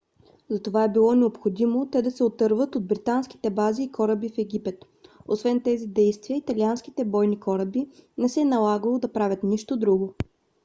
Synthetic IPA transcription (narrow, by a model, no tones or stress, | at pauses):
zɐt̪ovaɛbilˠɔnɛopxod̪imot̪ɛd̪ɐsɛot̪ɤɾvət̪od̪̚bɾit̪ansk̟i̥t̪ɛbaziːkɔɾəbifɛɡʲipɛt̪ | osvɛnt̪ɛzid̪ɛjst̪viəit̪ɐliansk̟i̥t̪ɛbɔjnikɔɾəbinɛsɛːnɐlˠaɡəlˠod̪ɐpɾavʲət̪niʃt̪od̪ɾuɡo